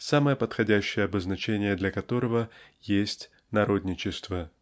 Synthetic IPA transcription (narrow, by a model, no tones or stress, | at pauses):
saməjəpət̪xɐdʲæɕːɪjəɐbəznɐt͡ɕenʲɪjəd̪lʲɐkɐt̪o̞ɾəvə | jesʲtʲ | nɐɾo̞d̪ʲnʲɪt͡ɕɪst̪və